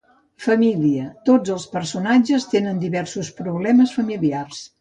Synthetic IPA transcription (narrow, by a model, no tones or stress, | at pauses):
fəmiliət̪od͡zəlˠspəɾsunad͡ʒəst̪enənd̪iβɛrsuspɾuβlɛməsfəmiliars